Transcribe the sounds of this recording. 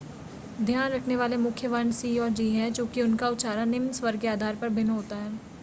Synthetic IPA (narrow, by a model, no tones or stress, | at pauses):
d̪ʱjaːnɾɐkʰneʋaːlemʊkʰjəʋɐnsiːɔːɾd͡ʒiːɦɛt͡ʃõːkiʊnkaʊtʃaːɾanɪmsʋɐɾkeaːd̪ʱaːɾpɐɾbʱɪnɦoːt̪aɦɛː